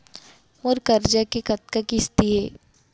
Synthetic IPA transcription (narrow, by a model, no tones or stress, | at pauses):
mʊɾkɐɾd͡ʒakekɐt̪̚kakɪst̪iɦɛː